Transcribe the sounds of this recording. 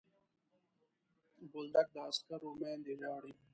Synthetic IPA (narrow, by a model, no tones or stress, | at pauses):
bʊld̪ɐk̚d̪əːskɐɾomeːnd̪iɾɑːɽi